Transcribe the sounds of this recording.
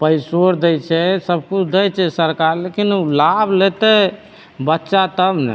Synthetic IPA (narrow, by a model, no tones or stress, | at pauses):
pəjsoɾd̪ɛjt͡ʃʰɛsəbkut͡ʃʰd̪ɛjt͡ʃʰɛsəɾkaɾlekinlabʱlet̪e | bətːʃat̪əbnɛ̰